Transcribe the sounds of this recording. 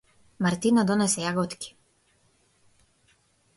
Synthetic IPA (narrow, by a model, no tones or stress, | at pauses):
maɾt̪inad̪ɔnɛsɛjaɡɔt̪kʲi̥